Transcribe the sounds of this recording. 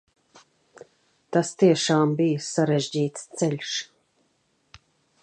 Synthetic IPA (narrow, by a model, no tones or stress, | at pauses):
t̪ast̪iɛʃaːmbijəsaɾɛʒd͡ʑiːt̪st̪sɛʎʲʃ